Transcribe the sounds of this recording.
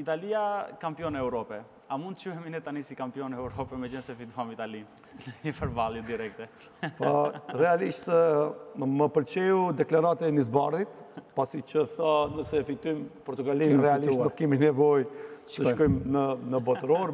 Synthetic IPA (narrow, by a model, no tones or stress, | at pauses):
it̪aliakampjɔnɛuɾɔpɛ | amund̪ət͡ʃuhɛminɛt̪anisikampiɔnɛuɾɔpɛmɛd͡ʒənsɛfit̪uamit̪ali | ɲəpəɾbalˠjɛd̪iɾɛk̚t̪ɛ | parɛaliʃt̪ | məpəlt͡ɕɛud̪ɛklaɾat̪ɛnizbaɾðit̪pasit͡ʃəθanəsɛfit̪ujmpɔɾt̪uɡalinrɛaliʃdɔkiminɛvɔjt̪əʃkɔjmnənəbɔt̪ɾɔɾ